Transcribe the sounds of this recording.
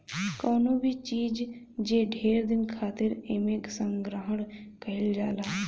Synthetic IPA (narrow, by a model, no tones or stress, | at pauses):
kɔːnobʱit͡ʃiːd͡ʒ | d͡ʒeːɖʱeːɾd̪ɪnkʰaːt̪ɪɾeːmẽːksə̃ŋɡɾəɦəɳkəɦɪld͡ʒaːlaː